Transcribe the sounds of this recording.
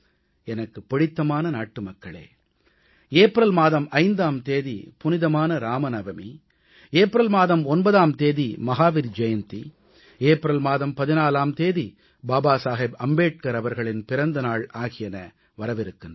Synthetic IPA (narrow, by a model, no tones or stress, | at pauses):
ɛnɐkːɯpːɪɽɪt̪ːɐmaːnɐnaːʈːɯmɐkːɐɭḛː | eːpɪɾɐlmaːðɐmɐɪnd̪aːmt̪eːðipʊnɪðɐmaːnɐɾaːmɐnɐʋɐmḭ | eːpɪɾɐlmaːðɐmɔnbɐðaːmt̪eːðimɐɦaːʋɪɾd͡ʒɐjɐnt̪i | eːpɪɾɐlmaːðɐmpɐðɪnaːlaːmt̪eːði | baːbaːsaːɦɪbɐmbeːʈ̚kɐɾɐʋɐɾɣɐɭɪnpɪɾɐnd̪ɐnaːɭaːɣɪjɐnɐ | ʋɐɾɐʋɪɾɯkːɯn